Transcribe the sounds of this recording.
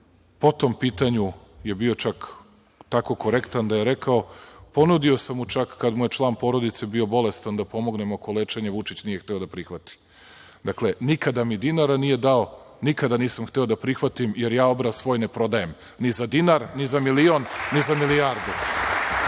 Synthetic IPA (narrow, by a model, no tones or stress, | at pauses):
po̞t̪o̞mpiːt̪aɲu | je̞bio̞t͡ʃak | t̪ako̞ko̞ɾe̞kt̪and̪ajeɾe̞kʰao̞po̞nud̪io̞samut͡ʃakːad̪muje̞t͡ʃlˠaːnpo̞ɾo̞d̪it̪se̞bio̞bo̞le̞st̪and̪apo̞mo̞ɡne̞mokolet͡ʃe̞ɲeʋut͡ʂit͡ɕnije̞xt̪e̞o̞d̪apɾixʋat̪i̥ | d̪akle̞nikad̪amid̪inaɾanije̞d̪ao̞ | nikad̪aniːsamxt̪e̞o̞d̪apɾixʋat̪imje̞ɾjaːo̞bɾasʋo̞ːjne̞pɾo̞d̪ajem | nizad̪inaɾnizamilio̞nːizamilijaɾd̪u